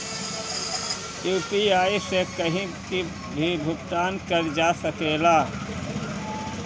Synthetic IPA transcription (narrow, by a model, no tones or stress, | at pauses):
juːpiaːisekəɦĩki | bʱibʱʊkt̪aːnkəɾd͡ʒaːsəkeːlaː